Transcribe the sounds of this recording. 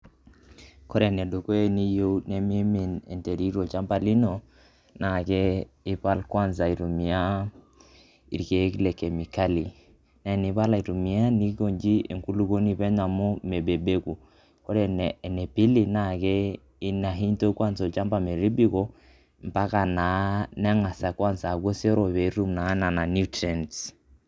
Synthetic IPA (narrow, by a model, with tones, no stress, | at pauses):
kɔ˦ɾɛ˨nɛ˨do˨ko˦e˨ni˦jo˦ne˨mi˦e˦mi˨nɛ̰˨nte˨ɾi˦ɾo˨t͡ʃa˦mpa˨li˦no˨ | na˨kɛ˦i˦pa˦lkwa˦nsa˨i˨ɾu˨mi˨a˦ | ḭ˨ɾke˨˦klɛ˨ke˨mi˨ka˦li˨ | na˨˦˨ni˨˦pa˦la˨i˨ɾu˨mi˨a˦ni˦ko˨ɲd͡ʒi˦ḛ˨ŋku˦lu˦ko˦ni˦pɛ˦ɲa˨mo˦me˨be˨be˦ku˨ | kɔ˦ɾɛ˨n˨ne˨pi˦li˦na˨kɛ˦ | i˦na˨ɦi˦nto˦kwa˦nzɔ˨t͡ʃa˦mba˨me˨ɾi˦bi˦kɔ˨ | m˨pa˦ka˨na˨˦nɛ˦ŋa˨sa˨kwa˦nza˨ɡo˦sɛ˦ɾɔ˨βe˨˦ɾu˦mna˨˦na˨na˨nu˦tɾɛ˨n